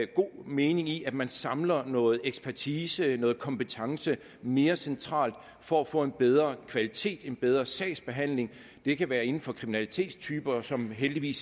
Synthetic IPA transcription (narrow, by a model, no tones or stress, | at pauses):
ɡ̥o̝̰ːme̝ːne̝ŋiʔæ̥mænsɑ̈mlɐnɔ̽ːð̩ˠeɡ̥spʰæɐt͡sʰiːsənɔ̽ːð̩ˠkʰɒ̽mpət͡sʰɑ̈ŋsə | me̝ːɐsent͡sʰʁɑ̰̈ːld̥ | fɒ̽æfɔ̰̽ːe̝nb̥eð̞ˠʁɐkʰʋælit͡sʰe̝̰ːd̥e̝nb̥eð̞ˠʁɐsɛ̰ɪsb̥e̝ɦæn̰le̝ŋ | d̥e̝kʰæʋæːɐe̝n̩fɒ̽kʰʁiminælit͡sʰe̝̰ːd̥st͡sʰyːb̥ɐsɒ̽mɦeld̥iʋḭːs